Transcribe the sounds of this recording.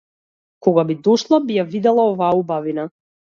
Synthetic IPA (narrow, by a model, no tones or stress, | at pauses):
kɔɡabid̪ɔʃlˠabijavid̪ɛlˠaɔvaːubavina